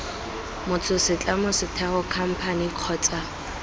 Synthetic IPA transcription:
mʊt͡sʰʼʊsɪt͡ɬʼamʊsɪtʰɛχʊkʰam̩pʰaniq͡χʰɔːt͡sʼa

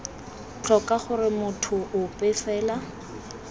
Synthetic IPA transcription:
t͡ɬʰɔkaχʊrɪmʊtʰʊʔʊpʼɛfɛːla

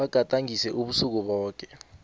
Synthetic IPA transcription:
aɡ̥ʱatʼaŋisɛʔuɓusuk̬uɓɔːk̬ɛ̥

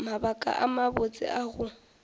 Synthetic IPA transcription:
mabakʼa̰ʔamabot͡sʼɪ̰ʔaɣʊ

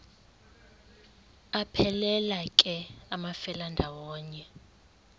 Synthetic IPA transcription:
apʰɛlɛlakʼɛamafɛlandʱawɔːɲɛ

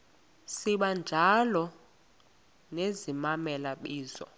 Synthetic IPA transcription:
siɓand͡ʒʱalɔ | nezimamɛlaɓiːzɔ̰

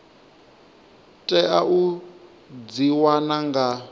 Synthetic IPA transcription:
tʼɛʔaʔu | d͡ziwanaŋɡa

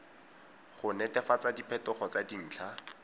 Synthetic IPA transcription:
χʊnɛtɛfat͡sadipʰɛtʊχɔt͡sadin̩ːt͡ɬʰa

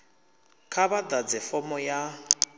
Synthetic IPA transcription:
kʰaβad̪ad͡zɛfɔmɔja

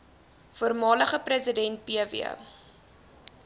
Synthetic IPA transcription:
fuərmɑːləχəprəsədɛnt̚piəvḭə̰

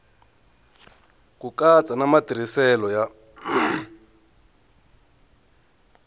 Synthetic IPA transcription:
kukat͡sʼanamatiɾ̤isɛlɔja

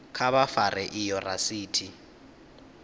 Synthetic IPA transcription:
kʰaβafarɛʔɪjɔrasiːtʰi

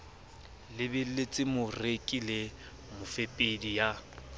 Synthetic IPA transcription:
lɪbɪlet͡sʼɪmʊrekʼile | mʊfepʼedija

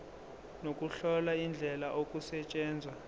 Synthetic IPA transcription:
nokʼuɬɔlaind͡ɮʱɛlaʔokʼusɛt͡ʃʼɛːnd͡zʱwa

